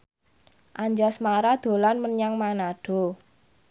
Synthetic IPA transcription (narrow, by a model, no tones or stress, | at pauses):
ʔaɲd͡ʒasmaɾad̪̥o̤lanməɲaŋmanaɖ̥ɔ̤